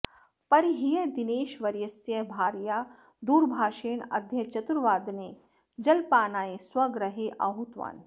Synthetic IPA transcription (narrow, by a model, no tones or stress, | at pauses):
pɐɾiɦijed̪ɪneːʃʋɐɾjɐsjɐbʱaːɾjaː | d̪uːɾbʱaːʃeːɳɐ̰d̪ʱjɐt͡ʃɐt̪uɾʋaːd̪neː | d͡ʒɐlpaːnaːeswɐɡɾɐɦeʔa̰ɦut̪ʋa̰ːn